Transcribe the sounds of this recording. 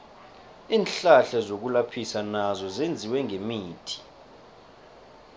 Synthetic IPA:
iːnɬaɬɛzok̬ulapʰisanazɔzend͡zʱiwɛŋʱemiːtʰi̥

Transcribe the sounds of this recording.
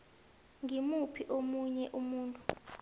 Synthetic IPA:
ŋʱimupʰiʔomuɲɛʔumuːntʼu̥

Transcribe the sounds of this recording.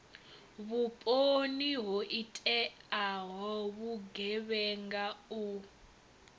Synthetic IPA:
βupʼoniɦoʔitʼɛaɦɔβuɡɛβɛŋɡau

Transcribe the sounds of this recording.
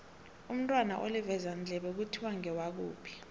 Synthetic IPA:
um̩tʼwana̰ʔolivɛzand͡ɮʱɛɓɛk̬utʰiwaŋɛwak̬uːpʰi̥

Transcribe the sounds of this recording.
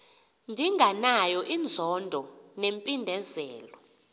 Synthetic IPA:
ndʱiŋɡʱanajɔʔind͡zʱɔndʱɔnempʼindʱɛzɛːlɔ

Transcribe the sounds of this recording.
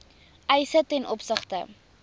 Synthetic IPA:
ʔɛjsətɛnʔɔpsəχtə̰

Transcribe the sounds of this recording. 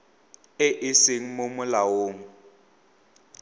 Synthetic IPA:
ɛʔɪseŋ̩momʊlawoːŋ̩

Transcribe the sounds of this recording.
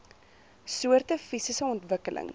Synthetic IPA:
suərtəfisisəɔntvəkəlʔə̰ŋ

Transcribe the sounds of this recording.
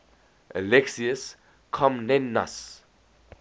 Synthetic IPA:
ʔə̰lɛksiəs | kʰɔ̃mnɛnːa̰s

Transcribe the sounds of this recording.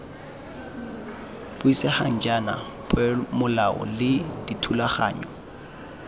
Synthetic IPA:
b̥ʊisɛhan̩d͡ʒana̰ | pʼwɛmʊlaɔ̰lɪd̥itʰulaχa̰ːɲɔ

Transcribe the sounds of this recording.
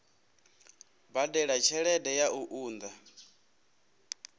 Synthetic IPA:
badɛɺat͡ʃʰɛɺɛdɛjaʔuʔuːnd̪a

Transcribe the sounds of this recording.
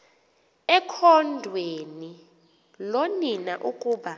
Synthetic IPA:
ɛkʰɔndʱweni | loninaʔukʼuːɓa

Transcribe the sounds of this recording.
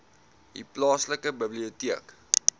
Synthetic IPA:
iplɑːsləkəbəbliotiək

